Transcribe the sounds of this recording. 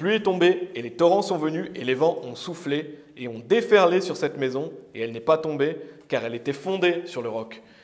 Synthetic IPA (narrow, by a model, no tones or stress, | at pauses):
plyɛt̪ɔ̃beːlet̪ɔʁɑ̃sɔ̃vənyʔelevɑ̃ʔɔ̃sufleː | ɔ̃d̪efɛʁlesyʁsɛt̪mezɔ̃eɛlnɛpat̪ɔ̃bekaʁɛlet̪ɛfɔ̃d̪esyʁləʁɔk